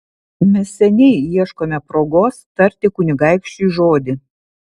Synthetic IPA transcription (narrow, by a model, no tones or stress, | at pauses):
mʲɛsʲsʲɛnʲɛɪiɛʃkoːmʲɛpɾoːɡoːst̪ɐɾʲt̪ʲɪkʊnʲɪɡɐɪkʃʲt͡ʃʲʊʒoːd̪ʲɪ